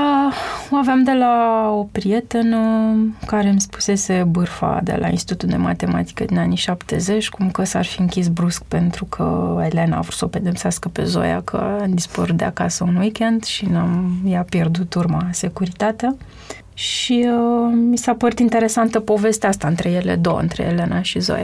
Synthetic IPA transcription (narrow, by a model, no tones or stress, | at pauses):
əoaveamd̪e̞lao̞pɾije̞t̪enəkaɾe̞mspu̥se̞se̞bɨrfa̰d̪e̞̰lʔa̰ḭnst̪it̪ut̪uld̪e̞̰ma̰t̪e̞ma̰t̪i̥kəd̪inaniʃapt̪e̞̰ze̞t͡ʃʲkumkəsa̰rfiɨŋkʲisbɾusk̚pe̞nt̪ɾukʰə̰ele̞na̰ːvɾu̥səope̞d̪e̞pseaskəpe̞̰zo̞̰ja̰kʰə̰amd̪ispəɾut̪̚d̪eakasəunwikʲe̞nd̪ʃinamjapje̞rd̪ut̪urmase̞kuɾit̪at̪a | ʃiəmisapəɾut̪int̪e̞ɾe̞sant̪əpo̞ve̞st̪east̪aɨnt̪ɾe̞je̞le̞̰d̪owɨ̰nt̪ɾe̞̰ele̞nʔaʃizo̰ja̰